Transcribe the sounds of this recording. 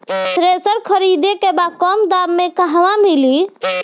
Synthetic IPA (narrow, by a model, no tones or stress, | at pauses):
sɾesəɾkʰəɾid̪ekebakɔmd̪abmekaɦʋamili